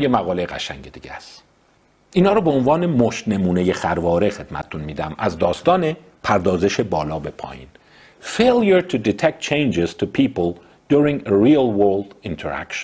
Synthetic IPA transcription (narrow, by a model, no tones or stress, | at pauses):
jemæɣɒːlejɣæ̰ʃæ̰ŋɟed̪iːɟæ̰st̪ | ʔiːnɒːɾɔːbeonvɒːne̞moʃt̪ne̞muːneje̞xæɾvɒːɾexe̞d̪mæ̰t̪ʰe̥t̪ʰunmiːd̪æ̰mæ̰zd̪ɒːst̪ɒːne | pʰæɾd̪ɒːze̞ʃebɒːlɒːbe̞pʰɒ̰ːjḭːn | fejljuɹt̪ʰud̪it̪ʰek̚t̪̚t͡ʃʰẽjnd͡ʒez̥t̪ʰupʰiːpolˠ | d̪̥uɾĩŋeɹilwøld̪int̪ʰeɾæ̰kʃn